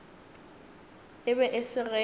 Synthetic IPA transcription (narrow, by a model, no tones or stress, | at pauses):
ɪbɛʔɪsɪɣɛ